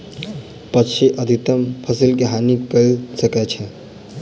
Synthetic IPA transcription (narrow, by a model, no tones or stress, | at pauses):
pətːʃʰiʔəd̪ʱit̪əmpʰəsilkeɦanikəsəkɛt͡ʃʰɛ